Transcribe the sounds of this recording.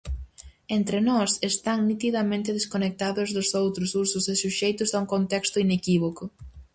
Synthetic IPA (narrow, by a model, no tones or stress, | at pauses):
ent̪ɾenɔsest̪aŋnit̪iðɐmẽnt̪ɪðeskonek̚t̪aðʊzðʊsowt̪ɾʊsuɾsʊsesuʃejt̪ʊzauŋkont̪ɛkst̪ʊinekiβ̞okʊ